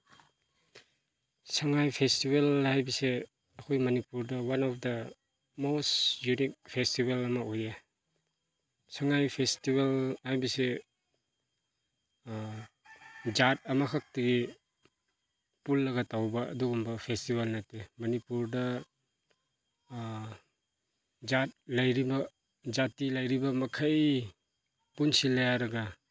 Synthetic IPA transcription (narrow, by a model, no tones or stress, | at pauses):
sɐŋajpʰestibelhajbise | ɐkʰojmɐnipuɾdɐwanɔpʰdɐ | mostjunik̚pʰestibelɐmɐoje | sɐŋajpʰestibelhajbise | d͡ʒat̚ɐmɐkʰak̚tɐɡi | pulːɐɡatawbɐ̰ːduɡumbɐpʰestibalnɐtemɐnipuɾdɐ | d͡ʒat̚lɐjɾibɐ | d͡ʒatilɐjɾibɐmɐkʰaj | punsilːɐjaɾɐɡɐ